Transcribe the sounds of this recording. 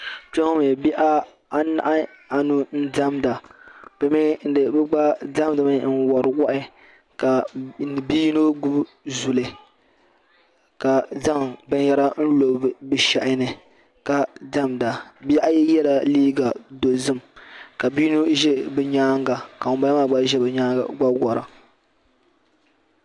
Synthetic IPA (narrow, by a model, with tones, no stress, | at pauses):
t͡ʃɛ˦ŋo˦mɛ˨bi˦ʔa˦ | a˦na̰˨ʔa˦ | a˨nu˦n̩˦da˦mda˨b̥ɨ˨mɛ˦n̩˦dɨ˨bɨ˦ɡ͡ba˦da˦mdɨ˨mɨ˦n̩˦wa˨ɾɨ˨wa˦ʔɪ˦ | ka˨n˨biː˦no˦ɡu˦b | zu˨lɨ˨ | ka˨za˦˨ŋbɛ˨˦jɛ˨ɾa˦n̩˦lo˨bbɨ˨ʃa˨ʔɪ˦nɨ˨ | ka˨da˦mda˨bja˦ʔjɛ˦jɛ˦la˨liː˦ɡa˨do˨zɨ˦mka˨bi˦nu˦ʒɛ˦bɨ˨ɲaː˦ŋɡa˨ka˨ʊ˨ba˦maː˦˨ɡ͡ba˦ʒɛ˦bɲaː˦˨ɡ͡ba˦ɡɔ˨ɾa̰˨